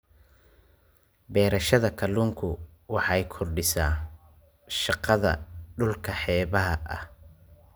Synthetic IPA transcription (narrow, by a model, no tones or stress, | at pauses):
bɛːɾɐʃɐðɐkʰɐluːŋkʰʊ | wɑħɑjkʰʊrɖɪsaː | ʃɑqɑðɐ̰ɖʊlkʰɐħɛːβɐɦɐʔɐh